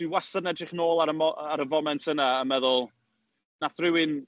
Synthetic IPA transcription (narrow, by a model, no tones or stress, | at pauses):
wiwasadnɛdrɪχnoːlˠaɾəmɔaɾəvɔmɛntʰənaəmɛðʊlˠ | naθrɪwɪn